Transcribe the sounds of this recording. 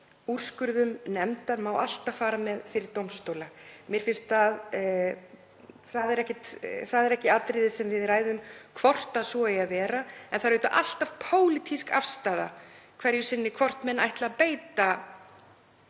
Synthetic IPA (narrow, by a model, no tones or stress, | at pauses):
ur̥skʏɾðʏmnɛmt̪aɾmawa̰l̥t̪afaːɾamɛðfɪɾɪɾ̥t̪owmst̪owlamjɛɾ̥fɪnst̪að | θaðɛɾɛhcɪt̪θaðɛɾɛhcɪat̪ɾɪðɪsɛmvɪðraːjðʏmkʰv̥ɔr̥t̪asɔɛjavɛːɾaɛnθaɾeːt̪a̰ʔal̥t̪av̥pʰoːwlit̪ʰiska̰fst̪aːða̰kʰvɛɾjʏsɪnːɪkʰvɔr̥t̪mɛnʔa̰jht̪laːpeːjt̪a